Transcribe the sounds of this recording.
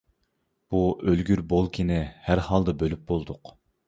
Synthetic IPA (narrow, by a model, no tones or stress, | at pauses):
b̥uølɡʲyɾbolˠkʲʰɪnɪhæɾhɑlˠd̪ɨbølyp̚bolˠd̪ʊq